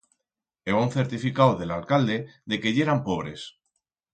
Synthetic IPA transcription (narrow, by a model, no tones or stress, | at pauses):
eβaun̟θe̞ɾt̪ifikawðe̞lalkald̪e̞d̪e̞ke̞ʝe̞ɾampo̞β̞ɾe̞s